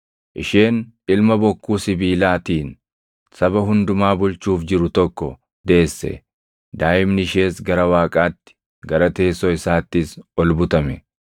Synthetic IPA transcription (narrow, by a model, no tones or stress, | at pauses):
ʔɪʃe̞ːn | ɪlmɐbɔkːuːsɪbiːlaːt̪iːn | sɐbɐɦʊnd̪ʊmaːbʊlt͡ʃuːfd͡ʒɪɾʊt̪ɔkːɔ | d̪e̞ːsːɛ̰ | d̪aːʔɪmnɪɪʃe̞ːsɡɐɾɐwaːkʼaːt̪ːɪ̥ | ɡɐɾɐt̪e̞ːsɔɪsaːt̪ːɪsɔlbʊt̪ɐmɛ